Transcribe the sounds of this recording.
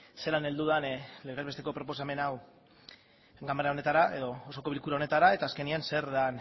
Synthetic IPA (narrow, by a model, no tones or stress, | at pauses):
se̞lane̞ld̪uðanleɾezβe̞st̪e̞ko̞pɾo̞po̞s̬ame̞naw | ɡamaɾao̞ne̞t̪aɾae̞ðo̞oso̞ko̞βilkuɾaone̞t̪aɾae̞t̪aːske̞nianse̞ɾðan